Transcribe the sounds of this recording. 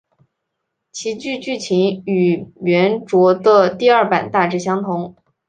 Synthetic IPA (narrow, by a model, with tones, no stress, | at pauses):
t͡ɕʰi˧˥t͡ɕy˥˧t͡ɕy˥˩t͡ɕʰi˧˥ny˨˩ɥɛ˧˥nʈ͡ʂwɔ˧˥d̪ə˧t̪i˥˧ɐ˞˥˩pa̰˨˩nt̪a˥˧ʈ͡ʂɻ̩˥˩ɕ̬jɑ˥ŋt̪ʰʊ˧˥ŋ